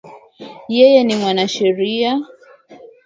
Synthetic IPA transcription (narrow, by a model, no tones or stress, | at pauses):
jɛjɛnimwanaʃɛɾia